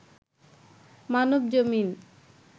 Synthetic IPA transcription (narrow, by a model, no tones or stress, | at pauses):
manobd͡ʑomin